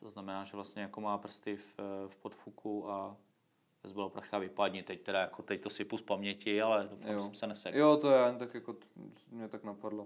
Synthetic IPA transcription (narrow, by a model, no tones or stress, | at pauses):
t̪oznamɛnaːʒɛvlast̪ɲɛjakomaːpr̩st̪ɪffpot̪fukʰua | vɛzbɛlopɾaxavɪpad̪ɲit̪ɛct̪ɛdajakot̪ɛct̪osɪpuspamɲɛcɪalɛdofamsɛmsɛnɛsɛɡjot̪ojɛaɲɪt̪akjako | mɲɛt̪aknapadlo